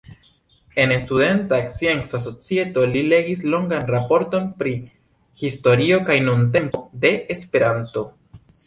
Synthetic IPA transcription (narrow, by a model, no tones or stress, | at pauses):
e̞nestude̞ntaksiensas̬o̞t͡sie̞to̞lile̞ɡislo̞ŋɡanɾapo̞ɾto̞npɾi | histo̞ɾio̞kajnunt̬e̞mpo̞de̞espe̞ɾanto̞